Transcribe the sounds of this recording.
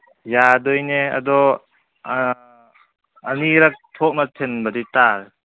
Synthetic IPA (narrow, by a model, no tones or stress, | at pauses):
jadɔjneɐ̰dɔ | ɐniɾɐk̚tʰɔk̚natʰenbɐditaɾ